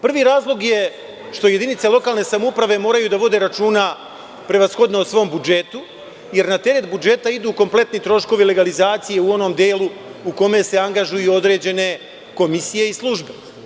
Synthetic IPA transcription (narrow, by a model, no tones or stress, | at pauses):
pr̩ʋiːɾaːzlˠo̞ɡje | ʃt̪o̞je̞d̪init̪selˠo̞kaːlne̞samoupɾaʋe̞mo̞ːɾajuːd̪aʋo̞d̪e̞ːɾat͡ʃuːna | pɾeʋasxo̞d̪noosʋo̞ːmbud͡ʒe̞t̪u | je̞ɾnat̪e̞ɾe̞t̪̚bud͡ʒe̞t̪aid̪uːko̞mple̞t̪nit̪ɾo̞ʃko̞ʋile̞ɡalizaːt̪sije̞uo̞no̞ːmd̪eːlˠuuko̞me̞se̞aŋɡaʒujuo̞d̪ɾe̞ːd͡ʑe̞ne̞ | ko̞misije̞islˠuʒbe̞